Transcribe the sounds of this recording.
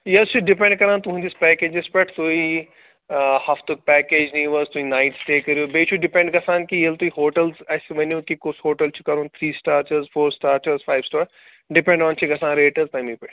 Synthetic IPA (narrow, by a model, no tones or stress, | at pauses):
jɐlt͡ʃʰuɖɪpẽɳɖkɐɾãːnt̪ʊɦũd͡ʒɪspɛːkeːd͡ʒɪspɐʈʰt̪oːi | hɐft̪uk̚pɛːkeːd͡ʒnĩːʋɐst̪uinaːɪʈst̪eːkɐɾioːbeːt͡ʃʰuɖɖɪpẽɳɖɡɐsãːnkijɐlt̪uiɦoːʈəlzɐsemɐnijũkikʊshoːʈəlt͡ʃʰu̥kɐɾõːnt̪ʰɾiːsʈaːɾt͡ʃəɾzfʰoːɾsʈaːɾt͡ʃəɾzfʰaːɪʋsʈaːɾ | ɖɪpɛ̃ɳɖɔ̃ːnt͡ʃʰiɡɐsaːnɾeːʈəzt̪ɐjmĩːpɐʈʰ